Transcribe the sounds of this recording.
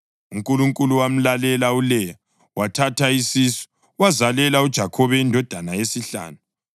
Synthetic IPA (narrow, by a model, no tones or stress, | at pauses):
uŋkʼuluŋkʼuluwam̩lalɛlaulɛja | watʰatʰaisisɔ̥ | wazalɛlaud̥ʒ̥ʱakʰɔβɛindʱɔd̥ʱanajesiɬa̰ːnu